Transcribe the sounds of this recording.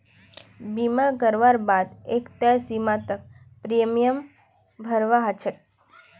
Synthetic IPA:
bimaɡəɾʋaɾbad̪ekt̪əsimat̪ək̚ | pɾijəmijəm | bʱəɾʋaɦət͡ʃʰet̪̚

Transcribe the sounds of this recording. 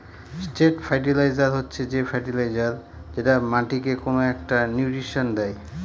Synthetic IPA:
sʈeʈfʰajʈ̬ilajd͡ʑaɾɦotːɕʰed͡ʑefʰajʈilajd͡ʑaɾ | d͡ʑeʈamaʈikekonoɛk̚ʈanjuʈɾiʃond̪ɛj

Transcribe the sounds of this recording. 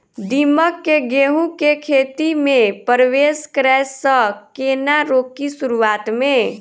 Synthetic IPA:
d̪iməkːeɡeɦũkekʰet̪imepəɾweskɾɛsːəkenaɾokisuɾuat̪me

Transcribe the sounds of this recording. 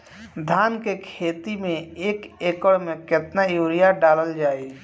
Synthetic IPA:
d̪ʱaːnkekʰeːt̪imẽeːkeːkəɽmẽkɪt̪najuːɾijaɖaːləld͡ʒaːi

